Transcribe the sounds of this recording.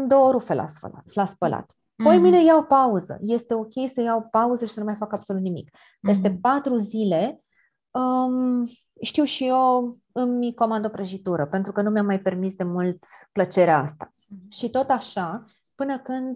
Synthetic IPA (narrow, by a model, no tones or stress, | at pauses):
md̪o̞wəɾufe̞la̰sə̰alaspəlʔa̰t̪ | po̞jmine̞jawpauzə̰je̞st̪e̞o̞kʲe̞jsəjawpauzəʃisənumajfakab̥so̞lut̪nimḭk | pe̞st̪e̞pat̪ɾuzile̞ | ə | ʃt̪iwʃijo̞ | ɨmiko̞mand̪o̞pɾeʒit̪uɾəpe̞nt̪ɾukənumjamːajpe̞rmisd̪e̞mult̪plət͡ʃe̞ɾeaa̰st̪ḁ | ʃit̪o̞t̪aʃa | pɨnəkɨnd̪